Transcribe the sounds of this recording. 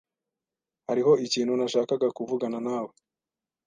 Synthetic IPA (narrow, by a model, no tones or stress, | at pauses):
haɾiɦo̞iciːnhunaʃaːkaɡakuvuɡananaːwe